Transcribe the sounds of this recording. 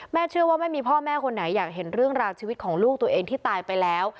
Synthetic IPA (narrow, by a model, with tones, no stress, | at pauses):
mɛː˥˩t͡ɕʰɯ˥˩əwaː˥˩ma˥˩jmiː˧pʰɔː˥˩mɛː˥˩kʰo˧nːa˩˦jːaː˨˩k̚ɦe˩˦nɾɯ˥˩əŋɾaː˧wt͡ɕʰiː˧wi˦˥t̪̚kʰɔː˩˦ŋluː˥˩k̚t̪u˧ɐʔeː˧ŋt̪ʰiː˥˩t̪aː˧jpa˧jlɛː˦˥w